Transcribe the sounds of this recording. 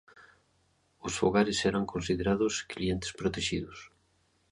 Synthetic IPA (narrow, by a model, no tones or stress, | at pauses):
ʊsfo̰ɣaɾɪsɛɾaŋkʰonsiðeɾaðʊsklient̪e̥spɾot̪eʃiðʊs